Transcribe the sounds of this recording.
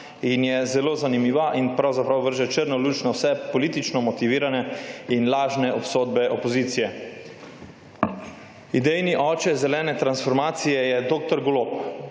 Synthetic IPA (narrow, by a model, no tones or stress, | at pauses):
injɛzɛloːzanimiːʋaʔinpɾawzapɾawʋəɾʒɛt͡ʃəɾnɔluːt͡ʃnɔwsɛpɔliːt̪it͡ʃnɔmɔt̪iʋiːɾanɛinlaːʒnɛʔɔpsoːd̪̚bɛʔɔpɔziːt̪sijɛ | id̪ɛjniʔɔːt͡ʃɛzɛlɛːnɛt̪ɾansfɔɾmaːt̪sijɛjɛd̪oːk̚t̪ɔɾɡolop